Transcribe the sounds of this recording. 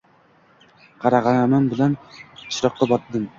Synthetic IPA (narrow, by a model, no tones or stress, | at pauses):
qʰɑɾɑʁɑnamambɪlant͡ʃʰɾɑqːɑbɒt̪d̪ɨm